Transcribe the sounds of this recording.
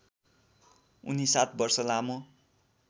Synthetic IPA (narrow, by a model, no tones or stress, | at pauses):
ṵnisat̪̚bʌrsʌlamo